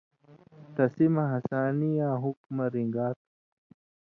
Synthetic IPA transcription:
t̪ɐsimɐɦɐsaːnijaːɦukmɐɾiŋɡaːt̪

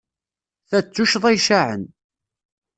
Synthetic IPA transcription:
θæt͡sːuʃðˤɑjʃaʕə̰n

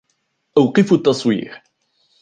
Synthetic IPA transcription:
ʔawqɨfut̪ːɑsˤwḭːɾ

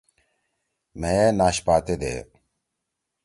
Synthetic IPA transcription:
meeːnaːɕpaːt̪ed̪ḛː

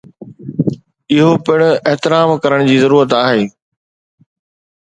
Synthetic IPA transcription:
ɪɦopɪɽ̃ʊ̆eɦt̪ɪɾaːmkɐɾəɽ̃d͡ʑiːzɐɾuːɾət̪aːɦeː

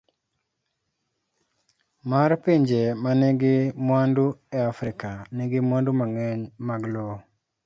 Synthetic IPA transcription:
maɾpiɲd͡ʒemaneɡɪmwandueafɾɪkaneɡɪmwandumaŋɛɲmaɡlo

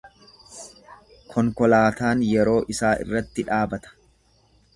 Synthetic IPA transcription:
kʰɔŋkɔlaːt̪aːnjɛɾo̞ːʔɪsaːʔɪ̰rːɐt̪ːɪᶑaːbɐt̪ɐ̥

